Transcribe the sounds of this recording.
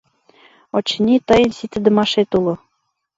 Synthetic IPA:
ot͡ɕnʲit̪ɤ̆jɤ̆nsit̪ɘ̆d̪ɤ̆mɑʃet̪ulŏ

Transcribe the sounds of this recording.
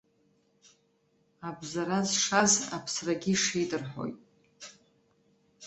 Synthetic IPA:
abzaɾazʂaza̰pʰsraɡʲiʂejdɨrħo̞̰jtʼ

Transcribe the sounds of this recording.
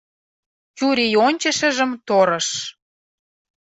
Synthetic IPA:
t͡ɕuɾijonʲt͡ɕə̆ʃə̆ʒə̆mt̪oɾə̆ʃ

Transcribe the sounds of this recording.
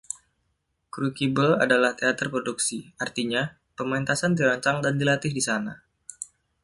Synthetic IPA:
kɾukibəla̰dalaht̪eat̪ərpɾoduksiart̪iɲa | pəmant̪asandiɾaɲt͡ʃaŋdandilat̪ɪhdisana

